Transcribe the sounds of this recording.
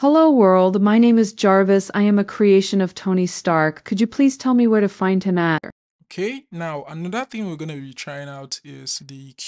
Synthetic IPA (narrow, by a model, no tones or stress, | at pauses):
həloʊwɜ˞lˠdmaɪnẽɪ̃mɨzd͡ʒɑɹvɨsaɪɨ̃mɨkʰɹ̥ieɪʃɨ̃nʌv̥tʰõʊ̃nistɑɹkʰːɨd͡ʒɨpʰl̥iz̥tʰɛlˠmiwə˞ɾɨfãɪ̃nd̚ɨ̃mæɾə̰˞ | okʰeɪnaʊanðət̪̚θɪ̃ŋwɪɡʌnɨbitʰɹ̥aɪɪ̃ŋaʊtɪz̥ðɨ